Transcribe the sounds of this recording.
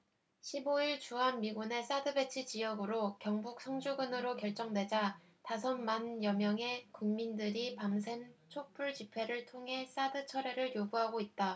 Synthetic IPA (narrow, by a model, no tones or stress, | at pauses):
ɕʰiboiɭt͡ɕuɦanmiɡune̞s͈adɯbe̞t͡ɕʰɯt͡ɕijʌɡɯɾokjʌŋbuk̚sʰʌŋd͡ʑuɡɯnɯɾokjʌɭt͡ɕ͈ʌŋdwe̞d͡ʑa | tasʰʌnmanjʌmjʌŋɦe̞kuŋmindɯɾipamsʰe̞ŋt͡ɕʰok̚p͈uɭt͡ɕipʰe̞ɾɯɭtʰoŋɦe̞s͈adɯt͡ɕʰʌɾe̞ɾɯɭjoɡuɦaɡoit̚t͈a